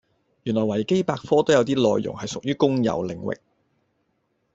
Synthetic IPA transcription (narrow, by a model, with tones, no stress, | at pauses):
jyː˨˩nlɔː˨˩jwɐ˨˩jke˥jpaː˧k̚fɔː˥t̪o˥wjɐ˨˧wt̪iː˥lɔː˧jːʊ̰˨˩ŋhɐ˨jsʊ˨k̚jyː˥kʊ˥ŋjɐ̰˨˩wlɪ˨˩ŋwɪ̰˨k̚